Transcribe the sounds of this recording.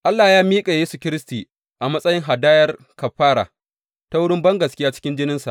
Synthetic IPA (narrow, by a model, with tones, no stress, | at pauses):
ʔa˦lːaː˨jaː˦miː˦kʼa˨jeː˦su˨kʲɪ˦ɾɪ˦stiː˨ | ʔa˨mɐ˦sʼɐ˦jɪ˦ŋɦa˨daː˦jɐ˦r | kɐ˨ɸːaː˦ɽa̰ː˨ | ta˦wʊ˦ɽɪ˦mbɐ˦ŋɡɐ˨skʲɪ˦jaː˦t͡ʃɪ̥˦kʲɪ˦nd͡ʒɪ˦nɪ˦nsa̰˨ʔ